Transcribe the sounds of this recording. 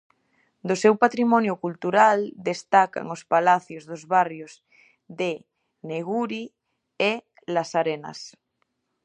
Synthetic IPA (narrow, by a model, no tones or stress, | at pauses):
d̪osewpat̪ɾimɔ̃njokult̪uɾald̪est̪aka̰ŋospalaθjozðozβarjosz | ðe | neɣ̞uɾi | e | lasaɾena̰s